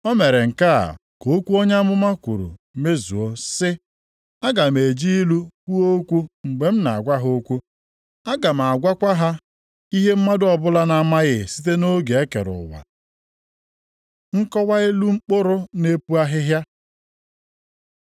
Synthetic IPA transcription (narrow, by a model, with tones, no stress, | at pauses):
ɔ˦me˨ɾe˨ŋ̩˨ka˦a̰˨ko˨˦kʷu˦o˦ɲa˦a˦mʊ˦ma˦kʷu˨ɾṵ˨me˦zṵ˨o˦sɪ˦ | a˦ɡa˨m˨e˨d͡ʒi˦i˦lu˦kʷu˦o˦kʷu˦ŋ͡m̩˨ɡ͡be˨m̩˦na˨a˨ɡʷa˦ɦo˦kʷu˦ | a˦ɡa˨m̩˨a˨ɡʷa˦kʷa˦ɦa˦ | i˦ɦe˦m̩˦ma˦dʊ˦ɔ˨bʊ˦la˦na˨ma˦ɣɪ˦˨si˦t̬e˦no˦ɡe˨e˦kḛ˨ɾʊ̰˨wa̰˨ | ŋ̩˦kɔ˦wa˦e˦lu˦ŋ͡m̩˦k͡po˦ɾʊ˦ne˦pu˦a˦ɦɪ˦ɦja˦